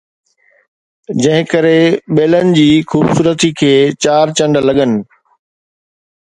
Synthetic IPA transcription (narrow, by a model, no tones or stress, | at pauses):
d͡ʑɐ̃ɦɪ̃kəɾeɓeːlənɪ̆d͡ʑiːxuːbsuːɾət̪ikʰeːt͡ɕaːɾt͡ɕɐ̃ɳɖlɐɠənɪ̆